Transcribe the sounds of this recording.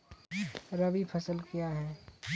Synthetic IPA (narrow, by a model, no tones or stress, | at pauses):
ɾɐbipʰɐsəlkijaɦɛː